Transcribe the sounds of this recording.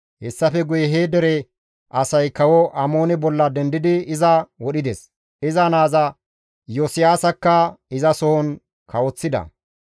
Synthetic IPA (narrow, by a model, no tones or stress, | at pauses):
hɛsːɐfɛɡʊjɛɦeːd̪ɛɾɛ | ɐsɐjkɐwɔʔɐmoːnɛbɔlːɐd̪ɛnd̪ɪd̪ɪɪzɐwɔɗɪd̪ɛs | ɪzɐnaːzɐ | josɪjaːsɐkːɐɪzɐsɔhɔn | kɐwɔt͡sːɪd̪ɐ̰